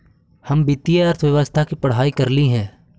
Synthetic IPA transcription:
hɐmbit̪ijaɐɾt̪ʰʋjɐʋəst̪ʰakipɐɽ̤ɦaːikɐɾliɦɛ̃ː

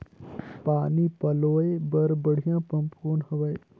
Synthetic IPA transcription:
paːnipɐloːebəɾbəɽ̤ijãːpɐ̃mpkoːnhɐʋəj

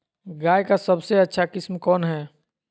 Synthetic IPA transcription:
ɡaːjkasəbseɐtːʃʰakɪsmkɔːnɦɛː

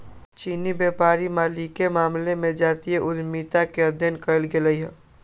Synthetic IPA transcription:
t͡ʃiːnibeːpaːɾimaːlikemaːmlemẽd͡ʒaːt̪ieʔʊd̪miːt̪akeɐd̪ʱjənkəlɡeləiɦɛː

